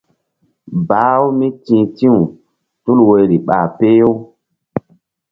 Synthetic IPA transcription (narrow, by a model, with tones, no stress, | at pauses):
ba˨˦wu˦mi˦tĩ˨˦tĩ˦ũ˨ | tu˦lwe˨jɾi˨ɓa̰˨pe˦jo˦